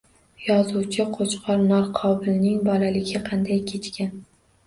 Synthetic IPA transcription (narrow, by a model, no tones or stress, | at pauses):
jɒzuwt͡ʃʰɪqʰot͡ʃqʰɒɾnɒɾqʰɒbɪlnɪŋbɒlalɪɡʲɪqʰɑnd̪ajkʲʰet͡ʃkʲan